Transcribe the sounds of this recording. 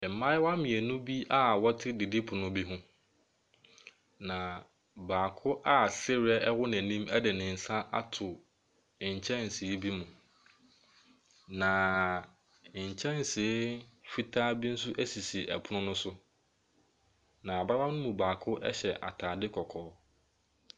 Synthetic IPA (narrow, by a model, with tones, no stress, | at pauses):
mã˦jwa˦mɪ̃˨æ˨nũ˦bi˦ʔa˦wɔ˦tʰɪ˦di˨di˦pʰʊ˨nʊ̃˦bi˦ɦʊ̃˦ | nã˨ | baː˨kʰʊ˦ʔa˦sɪ˦ɾɪ˦ɛ˦ɛ˦wʊ˦nɪ̃˨nĩ˦mæ˦dɛ˨nɪ̃˨n̩˨sã˦ʔa̰˦tʰʊ˨ | ɲ̩˨t͡ɕʰɛ̃˦n˨si˨e˦bi˦mũ˨ | nã˨ | ɲ̩˨t͡ɕʰɛ̃˦n˨si˨˦fi˦tʰaː˦bi˦n̩˦sʊ˦ʔæ˦si˨si˨ʔɛ̰˨pʰʊ˦nʊ̃˦nʊ̃˦sʊ˦ | nã˨a˨ba˦ba˦mnʊ̃˦mũ˨baː˨kʰʊ˦ʔɛ̰˦ɕɛ˨ʔa̰˨tʰaː˨dɪ˦kʰɔ˨kʰɔː˨˦